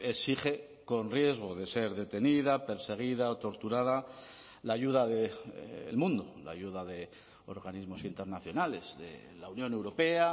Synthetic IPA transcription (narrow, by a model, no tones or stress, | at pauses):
esiχe̞ | ko̞nrje̞zɣ̞o̞ðe̞se̞ɾðe̞t̪e̞niðape̞ɾse̞ɣ̞iðaot̪o̞ɾt̪uɾaða | laʝuðaðe̞̰lmũnd̪ola̰juðaðe̞ | o̞ɾɣanizmo̞sint̪e̞ɾnaθjo̞nale̞zðe̞̰ | launjõ̞ne̞wɾo̞pe̞a